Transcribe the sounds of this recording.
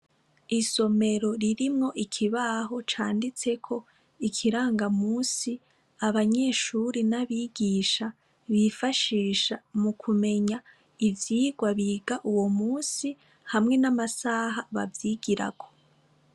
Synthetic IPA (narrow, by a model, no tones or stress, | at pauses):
iso̞me̞ɾo̞ɾiɾimŋo̞ʔikʰiβaɦot͡ʃaːndit͡se̞kʰo̞ | ikʰiɾaːŋɡamuːsi | aβaɲe̞ːʃuɾinaβiːɡiːʃa | βifaʃiːʃamukʰume̞ɲa | ivjiːɡwaβiːɡaʔuwo̞muːsi | hamŋe̞namasaːɦaβa̰vjiːɡiɾa̰ko̞̥